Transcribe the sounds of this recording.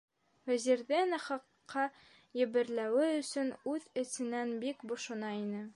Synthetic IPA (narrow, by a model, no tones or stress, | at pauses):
væziɾðɘnɘχɑqːɑ | jɘ̆bɘ̆ɾlæwɘɵ̆sɵnʉðɘ̆sɘ̆nænbikbŏʃŏnɑinɘ